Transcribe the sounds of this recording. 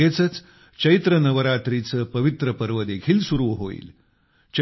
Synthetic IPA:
et͡sət͡s | t͡ɕəit̪ɾənəʋəɾat̪ɾit͡səːpəʋit̪ɾəpəɾʋəd̪ekʰiːlsuɾuʋɦoḭːl | t͡ɕ

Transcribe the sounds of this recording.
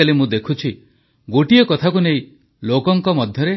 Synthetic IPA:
alimũd̪ekʰut͡ʃʰi | ɡoʈiekɔt̪ʰakuneĩ | lokɔŋkɔmɔd̪ʱjɔɾe

